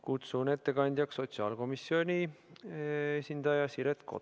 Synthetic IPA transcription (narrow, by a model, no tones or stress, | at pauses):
kut̪sune̞t̪ːe̞kɑnʲd̪̥ʲjɑkso̞t̪siɑːlko̞misːio̞nʲi | esʲind̪̥ɑjɑsiɾet̪ko̰